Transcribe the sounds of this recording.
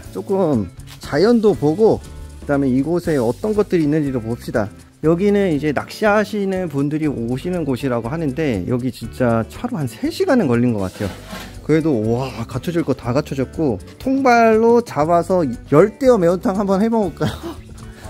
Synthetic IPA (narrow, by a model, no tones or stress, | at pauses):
t͡ɕ͈ok͈ɯmt͡ɕajʌndopoɡokɯdameiɡosʰe̞ʌt͈ʌnɡʌt̚t͈ɯɾiːnːɯnd͡ʑidoboʌp̚ɕ͈ida̰ | jʌɡinɯnid͡ʑe̞nak̚ɕ͈iɦaɕʰinɯnpundɯɾioɕʰinɯnɡoɕʰiɾaɡoɦanɯnde̞jʌɡit͡ɕint͡ɕ͈at͡ɕʰaɾohansʰe̞ɕʰiɡanɯnkʌʎːinɡʌk͈a̰tʰe̞jo | kɯɾe̞doakat͡ɕʰʌd͡ʑiɭk͈otaɡat͡ɕʰʌd͡ʑʌt̚k͈o | tʰoŋbaɭːot͡ɕabasʰʌjʌɭt͈e̞ʌme̞ontʰaŋhambʌnhebʌɡoɭ̚k͈ajo